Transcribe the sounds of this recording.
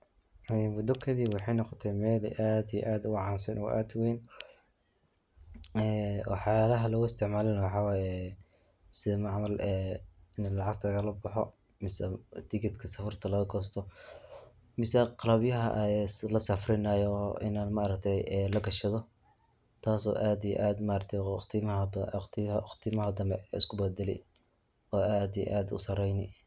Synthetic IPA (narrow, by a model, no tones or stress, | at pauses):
ɛwʊd̪ɔkʰɐðiːbwɑħɑjnɔqɔt̪ʰɛjmɛːlɛ̰ʔaːd̪ij̰ʔaːd̪ʊʕɑːnsɐnʔɔ̰ʔa̰ːd̪weːn | ɛw̰ħɑjaːlɐɦɐlɔɣʊɪst̪ʰɪʕmaːlɛnɐwɑħɑːwɑːjɛ | sɪðɐmɑʕmɐlɛɪnlɑʕɑɡ̚t̪ʰlɐɣɐlɐbɐħɔ | mɪsɛd̪ɪɡɐd̪kʰɐsɐfɐrt̪ʰɐlɐɣɐɡɔːst̪ʰɔ | mɪsɛqɑlɐbjɐɦɐ̰ʔlɐsɐfrɪnajɔʔɪ̰naːd̪maːɾɐkt̪ʰɛjɛlɐɡɐʃɐðɔ | t̪ʰaːsɔ̰ːʔaːd̪ij̰ʔaːd̪maɾɐt̪ʰɛt̪ʰɪmtt̪ʰɪmɐɦɐd̪ɐmbɛɪ̰skʰʊbɛd̪ɛlɛ̰j | ɔːaːd̪ij̰ʔaːd̪ʊ̰sɐrɛjnɪ